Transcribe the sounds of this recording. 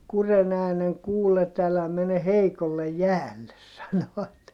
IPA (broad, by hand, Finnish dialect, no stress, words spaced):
kuren æːneŋ kuːlːet ælæ mene heikolːej jæːlːes sɑnoɑt